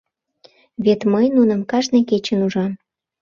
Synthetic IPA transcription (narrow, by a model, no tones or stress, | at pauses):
βet̪məjnunəmkɑʒnejket͡ɕənuʒɑn